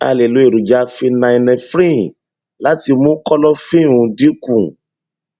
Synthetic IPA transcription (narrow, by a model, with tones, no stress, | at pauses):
a̰˧le˨lo˨˦e˦˨ɾu˨d͡ʒa˧˦fi˧nã˧i˧nɛ̃˧fɾĩ˦ | la˦ti˧mũ˦kɔ˦lɔ˦fĩ˦˨ũ˨˧di˦kũ˦˨